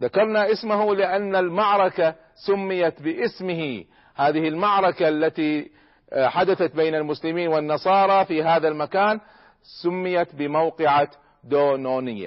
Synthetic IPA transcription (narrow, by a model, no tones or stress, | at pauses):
ðakɑɾˤnaʔɪsmaɦulɪʔanːalmaʕɾˤɑka | sʊmːɪjat̪bɪʔɪsmɪhi | haːðɪhɪlmaʕɾˤɑkalːat̪i | ħad̪aθat̪beːnalmʊslɪmiːnwɪnːɑsˤɑːɾˤɑfiɦaːðalmakaːn | sʊmːɪjat̪bɪmawqɪʕa | d̪oːnoːnɪjːa̰